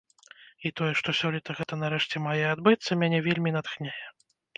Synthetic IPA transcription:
it̪ɔjɛʂt̪ɔsʲɔlʲit̪ɐɣɛt̪ɐnaɾɛʂt͡sʲɛmajɛad̪bɨt̪sːɐmʲanʲɛvʲelʲmʲinat̪xnʲejɛ

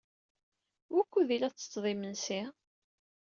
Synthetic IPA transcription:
wækʷːuðilæt͡sːə̥t͡sðˤimənsi

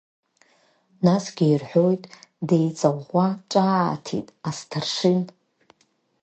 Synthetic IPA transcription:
nasɡʲiirħʷᶣo̞jtʼdejt͡sʼawʁʷaʈ͡ʂʼatʰḭtʼastʰarʂɪn

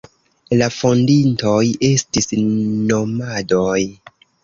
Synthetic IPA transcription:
lafondinto̞je̞stisnomado̞j

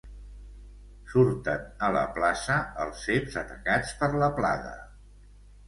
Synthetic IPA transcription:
suɾt̪ənələ̰plasəəlˠsepzət̪əkat͡spəɾləpla̰ðə̰

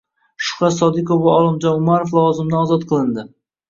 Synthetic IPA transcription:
ʃʊ̥qɑsɒd̪ɪkovaɒlˠɪmd͡ʒɒnʊmaɾoflˠɒwɒzɪmd̪aɒzɒt̪̚qʰɨlˠɪnd̪ɪ

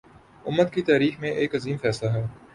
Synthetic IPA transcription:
ʊmːəd̪kit̪aːɾiːxmẽʔeːkɐziːmfɛːslaɦɛː

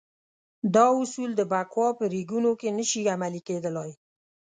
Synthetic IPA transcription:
d̪ɑʊsuld̪əbakwɑpəɾiɡunokenəʃiamaliked̪əlɑj

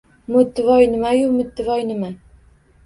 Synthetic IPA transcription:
mʊt̪ːɪvɒjnɪmajʊmʊt̪ːɪvɒjnɪma

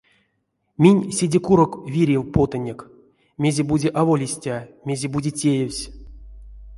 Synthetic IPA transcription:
mʲinʲsʲidʲekuɾokvʲiɾʲewpot̪ənʲek | mʲe̞zʲebudʲeʔavolʲisʲtʲamʲe̞zʲebudʲetʲejewʲsʲ

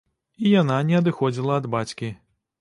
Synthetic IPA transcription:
ijan̪anʲɛɐd̪ɨxɔd͡zʲilˠɐɐd̪bat͡sʲkʲi

